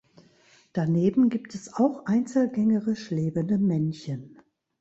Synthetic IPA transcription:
d̥aneːbm̩ɡiːptɛsaʊxʔaɪnt͡sl̩ɡɛŋəʁɪʃleːbəndəmɛnçən

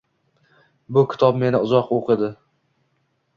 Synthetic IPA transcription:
bʊkʲʰɪ̥t̪ʰɒbme̞nɪʊzɒqoqʰɨd̪ɪ

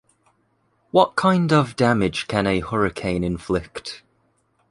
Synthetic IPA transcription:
wɒʔkʰãɪ̃ndəvdamɪd̥ʒ̥kʰə̃nəhʌɹɪkʰẽɪ̃nɪ̃ɱflɪkt

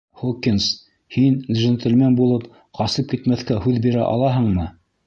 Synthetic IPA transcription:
χokʲːins | hinlʲʒɘnt̪ɘ̆lʲmenbulˠɤp | qɑsɤp̚kit̪mæθkæhʉðbiɾæʔɑ̰lˠɑɦɤ̆ɴmɤ

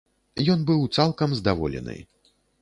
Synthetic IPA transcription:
jɔnbɨwt̪salˠkɐmzd̪avɔ̰lʲɛ̰nɨ̰j

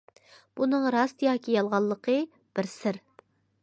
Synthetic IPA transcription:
b̥unɨŋɾɑst̪ɨjɑːkʲʰijɑlˠʁɑlˠːəqʰə | b̥ɪɾsɪɾ

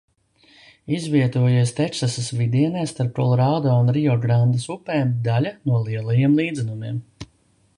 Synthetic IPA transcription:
izviɛt̪uɔjiɛst̪ɛksasasvid̪iɛnɛːst̪aɾp̚ɾɔlˠɔɾad̪aːunɾiɔɡɾand̪ɐsupɛːnd̪alʲanuɔlˠiɛlˠajiɛmlˠiːd̪zɛnumiɛm

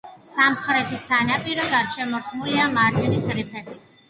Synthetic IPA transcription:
samχɾɛt̪ʰisʰanapʼiɾɔɡaɾʃɛmɔɾt̪ʰmuliamaɾd͡ʒʼɛnisɾipʰɛdi

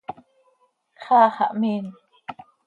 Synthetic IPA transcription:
χɑːχɑ̰ʔmiːn

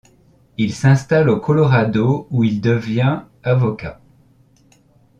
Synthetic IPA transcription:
ilsɛ̃st̪alokʰɔlɔʁad̪ouild̪əvjɛ̃ | avɔka̰

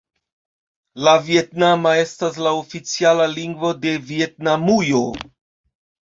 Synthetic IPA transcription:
lavije̞tnamae̞stas̬laofit͡sialaliŋɡvo̞de̞vie̞t̚namujo

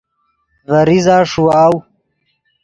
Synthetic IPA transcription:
vɐɾizaːʂuaːw

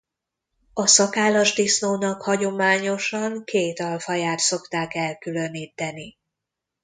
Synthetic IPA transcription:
ɒsɒkaːlɒʒd̪isnoːnɒkhɒɟo̞maːɲo̞ʃɒŋkeːt̪ɒlfɒjaːt̪so̞kt̪aːkɛlkylø̞niːt̪ːɛni

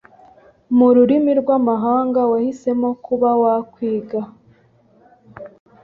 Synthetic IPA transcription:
muɾuɾimiɾɡwamaɦaːŋɡawahise̞mo̞kuβawakwiːɡa

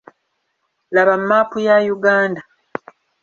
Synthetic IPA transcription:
laβamːaːpujajuɡaːnda

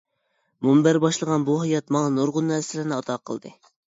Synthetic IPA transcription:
mumbæɾbɑʃlˠəʁɑnbuɦɑjɑt̪mɑŋɑnoɾʁʊnːɛsɪlɪɾnɪɑt̪ʰɑqʰə̰lˠd̪ɨ̰

